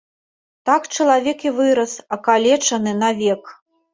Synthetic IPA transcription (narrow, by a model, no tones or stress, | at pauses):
t̪akt͡ʂɐlˠavʲɛkivɨɾɐsɐkalʲɛt͡ʂɐnɨnavʲɛk